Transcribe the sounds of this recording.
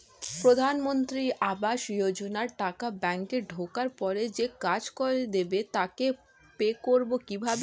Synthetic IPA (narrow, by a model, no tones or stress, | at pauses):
pɾod̪ʱanmont̪ɾiʔabaʃjod͡ʑonaɾʈakabɛŋkeɾɖʱokaɾpɔɾed͡ʑekad͡ʑkoɾed̪ebet̪ake | pekoɾbokibʱabe